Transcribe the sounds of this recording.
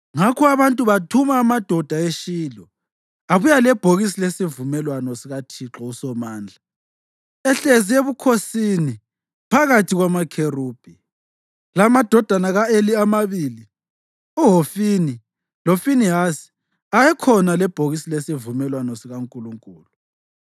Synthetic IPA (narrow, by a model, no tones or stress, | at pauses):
ŋakʰɔaβantʼuβatʰumaːmad̥ʱɔd̥ʱaeʃiːlɔ | aβujalɛb̥ʱoɣis̬ilesivumɛlwanɔsiɣatʰiǁɔusɔmaːnd͡ɮʱa | ɛɬezieβukʰosini | pʰaɣatʰiɣwamakʰeruːb̥ʱi | lamad̥ʱɔd̥ʱanaɣaeliamaβiːli | uɦofini | lofiniɦasi̥ | ajɛkʰɔnalɛb̥ʱoɣisilesivumɛlwanɔsiɣaŋkʼuluŋkʼuːlu